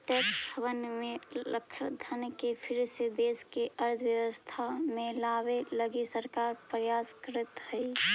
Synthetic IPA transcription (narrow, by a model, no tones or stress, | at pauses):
ʈɛksʰəʋənmẽləkʰd̪ʱankepʰɪɾsed̪eskeʔəɾd̪ʰʱʋjəʋəst̪ʰamelabeləɡisəɾkaɾpɾəjaskəɾət̪həi